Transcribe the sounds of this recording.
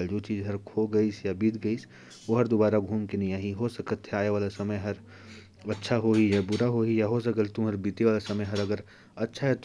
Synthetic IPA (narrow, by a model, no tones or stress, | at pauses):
ld͡ʒoːt͡ʃiːzɦɐɾkʰoɡɐiːsjabiːt̪ɡɐiːs | oɦɐɾd̪obaːɾaɡʱuːmkenɐɦĩaːɦiɦosɐkət̪ɦɛaːeʋaːlasɐməjɦɐɾ | ɐtːʃʰaɦoɦijabʊɾaɦoɦijaɦos̬ɐkət̪t̪ʊmɦɐɾbiːt̪eʋaːlasɐməjɦɐɾɐɡəɾ | ɐtːʃʰaɦɛt̪